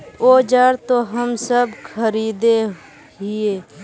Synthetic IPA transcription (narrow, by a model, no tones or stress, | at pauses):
oːd͡ʒaːɾt̪oɦəmsəbkʰəɾiːd̪e | ɦieː